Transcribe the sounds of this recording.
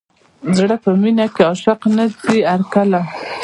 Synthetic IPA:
zɽəpəminakeɑʃɪqnadiaɾkala

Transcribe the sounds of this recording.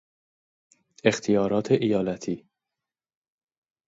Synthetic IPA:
ext̪ʰijɒːɾɒːt̪ʰeʔijɒːlæt̪ʰiː

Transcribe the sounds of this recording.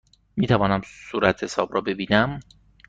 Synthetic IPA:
miːt̪ʰævɒːnæmsuːɾæt̪he̞sɒːbrɒːbe̞biːnæm

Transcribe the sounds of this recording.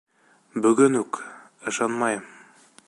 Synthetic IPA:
bɵ̆ɡɵnʉk | ɤ̆ʃɑnmɑjɤm

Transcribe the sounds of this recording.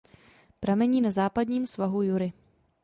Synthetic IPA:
pɾamɛɲiːnazaːpadɲiːmsvaɦujʊɾɪ

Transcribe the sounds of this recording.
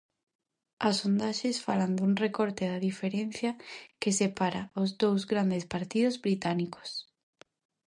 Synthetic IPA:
asond̪aʃesfaland̪uŋrekoɾt̪eðaðifeɾen̟θjɐkesepaɾaozðowzɣɾand̪espaɾt̪iðozβɾit̪aniko̥s

